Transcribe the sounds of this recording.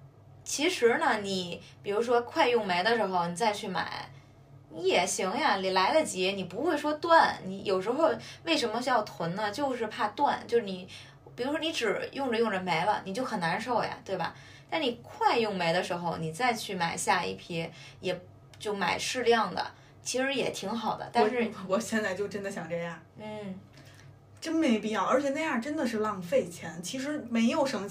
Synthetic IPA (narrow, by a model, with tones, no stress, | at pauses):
t͡ɕʰi˧˥ʂɻ̩˧˥nə˧ni˨˩˦pi˨˩ɻu˧˥ʂ̬wɔ˥kʰwa˥˧ɪjʊ˥˩ŋme˧˥ɪd̪ə˧ʂɻ̩˧˥xo˧ʊni˨˩t͡sa˥˧ɪt͡ɕʰy˥˩ma̰˨˩˦ɪ | ni˧˥jɛ˨˩ɕi˧˥ŋja˧li˨˩la˧˥ɪlə˧t͡ɕɛ˧˥ni˨˩pu˧˥xwe˥˩ɪʂwɔ˥t̪wa˥˩nni˧˥jo˨˩ʊʂɻ̩˧˥xo˥˧ʊwe˥˩ɪʂ̬ə˧˥nmə˧jɑ˥˩ʊt̪ʰwə˧˥nnə˧t͡ɕjo˥˧ʊʂ̬ɻ̩˥˧pʰa˥˧t̪wa˥˧nt͡ɕjo˥˧ʊʂɻ̩˥˩ni˨˩ | pi˨˩ɻu˧˥ʂwɔ˥i˧˥ʈ͡ʂɻ̩˨˩jʊ˥˩ŋʈ͡ʂə˩jʊ˥˩ŋʈ͡ʂə˩me˧˥ɪlə̰˧ni˨˩t͡ɕjo˥˩ʊxə˨˩na˧˥nʂo˥˩ʊja̰˨˩t̪we˥˩ɪbɐ̰˩ | t̪a˥˩nni˨˩kʰwa˥˧ɪjʊ˥˩ŋme˧˥ɪd̪ə˧ʂɻ̩˧˥xo˧ʊni˨˩t͡sa˥˧ɪt͡ɕʰy˥˩ma˨˩ɪɕja˥˧ḭ˥˩pʰjɛ˥jɛ˨˩ | t͡ɕjo˥˩ʊma̰˨˩ɪʂɻ̩˥˧ljɑ˥˩ŋd̪ə̰˩ | t͡ɕʰi˧˥ʂɻ̩˧˥jɛ˨˩t̪ʰi˧˥ŋxɑ˨˩ʊd̪ə̰˦t̪a˥˧nʂɻ̩˥˩wɔ˨˩ɕjɛ˥˧nt͡sa˥˧ɪt͡ɕjo˥˧ʊʈ͡ʂə˥nd̪ə˨ɕjɑ˨˩ŋʈ͡ʂɤ˥˧ja˥˩ | n̩˥˩ | ʈ͡ʂə˥nme˧˥ɪpi˥˧jɑ˥˩ə˞˧˥t͡ɕʰjɛ˨˩na˥˧ɪja˥˩ʈ͡ʂə˥nd̪ə˨ʂɻ̩˥˧lɑ˥˧ŋfe˥˩ɪt͡ɕʰjɛ˧˥nt͡ɕʰi˧˥ʂɻ̩˧˥me˧˥ɪjo˨˩ʊʂə˧˥ŋ˧